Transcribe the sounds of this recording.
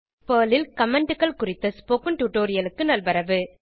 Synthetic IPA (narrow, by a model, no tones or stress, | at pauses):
pɐːlɪlkɐmɛɳɖɯkɐɭkʊɾɪt̪ːɐspoːkɯnʈuːʈoːɾɪjɐlɯkːɯnɐlbɐɾɐʋɯ